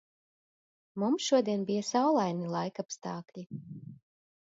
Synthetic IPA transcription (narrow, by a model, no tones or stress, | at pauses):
mumsʃuɔd̪iɛnbijasawlˠajnilˠajkapst̪ɑːklʲi